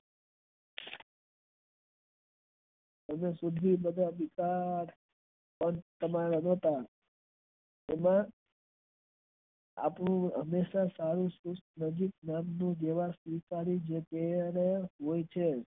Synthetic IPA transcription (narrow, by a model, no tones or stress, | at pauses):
əmesud̪ʱibəd̪ʱabikaɾ | pəɳt̪əmaɾənot̪a | emã | a̰pɳũɦəmːeʃasaɾũsusʈnəd͡ʒik̚namnũd͡ʒeʋasʋikaɾid͡ʒek̪eneɦojt͡ʃʰe